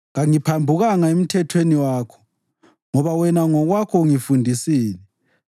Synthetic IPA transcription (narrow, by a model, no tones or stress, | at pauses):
ɣaŋipʰambʱuɣaŋaem̩tʰɛtʰweniwaːkʰɔ̥ | ŋɔβawɛnaŋɔɣwakʰɔŋifundʱisiːlɛ